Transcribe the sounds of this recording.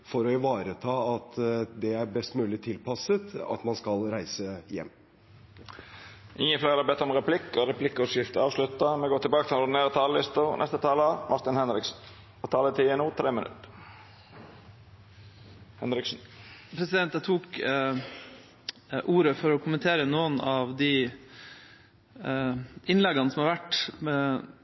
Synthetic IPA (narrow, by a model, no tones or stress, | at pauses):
fɔɾɔɪʋɑːɾət̪ʰɑːɑt̪d̪ɛæɾbɛst̪mʉːlɪt̪ʰɪlpɑsət̪ɑ̰t̪mɑnskɑlɾæɪsəjɛ̰mː | ʔɪŋːənfleɪɾɑbɛt̪ːəɾɔmɾɛpʰlɪkːɔɾɛpʰlɪkːʉsɪft̪əɑːʋslʉt̪ːɑmɛɡoːt̪ʰɪbɑːkət̪ʰɪlnʊɖ̪ɪneːɾət̪ʰɑːləlɪst̪ʊnɛ̰st̪ət̪ʰɑːləʋɑ̰st̪ɪnhɛnɾɪksn̩ | ɔt̪ʰɑːlət̪ʰɪɛnuːt̪ʰɾeːmənʉ̰t̪ | hɛnɾɪksn̩pʰɾɛsɪd̪ɛnt̪d̪ɑt̪ʰuːk | ʔuːɾəfɔɾɔkʰʊmənt̪ʰeːɾənoːənɑʋd̪i | ɪnlɛɡɑnəsɔmɑɾʋæʈː